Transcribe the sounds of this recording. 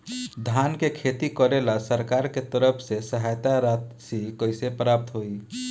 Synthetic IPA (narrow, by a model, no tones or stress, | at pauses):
d̪ʱankekʰet̪ikəɾelasəɾkaɾket̪əɾəpʰsesəɦajt̪aɾat̪sikəɪsepɾap̚t̪ɦoi